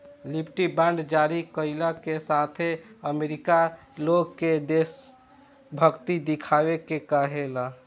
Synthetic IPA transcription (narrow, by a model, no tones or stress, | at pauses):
lipʰʈibãɳɖd͡ʒaɾikəɪlakesat̪ʰeəmeɾika | loɡked̪es | bʱəɡt̪id̪ikʰaʋekekəɦela